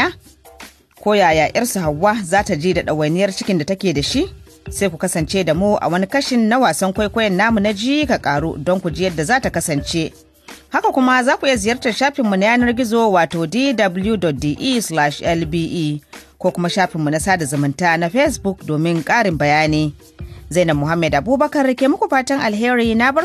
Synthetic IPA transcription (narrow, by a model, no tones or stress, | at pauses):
a | kʷoːjaːjaːʔɪrsuhawːazaːtad͡ʒiːdaɗɐwɐnɪjɐrt͡ʃɪkʲɪndatɐkʲeːdaʃiʔ | sajkʷukɐsɐnt͡ʃeːdamuʔa̰wɐnikɐʃɪnːawaːsɐŋkʷajkʷoːjɐnːaːmunad͡ʒiːjkakʼaːɽṵdɔŋkʷud͡ʒiːjɐdːazaːtakɐsɐnt͡ʃe | hakakʷʊmazaːkʷuʔɪjazɪjɐrtɐʃaːɸɪmːunajaːnɐrɡʲɪzoːwaːtoːdiːdɐbʊljudɔt̚diːʔislaʃʔɛlbiːʔiːkʷoːkʷʊmaʃaːɸɪmːunasaːdazɐmɪntaːnaɸɛsbʊkdoːmɪŋkʼaːɽɪmbɐjaːniː | zajnɐmːʊɦamːɛdʔabuːbɐkɐrkʲeːmʊkʷuɸaːtɐŋʔalɦeːɾiːnabɐ